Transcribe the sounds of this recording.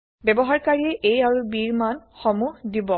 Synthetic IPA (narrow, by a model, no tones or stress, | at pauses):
bɛbɔɦaɹkaɹiɛʔejaɹubiɹmanxɔmuhdibɔ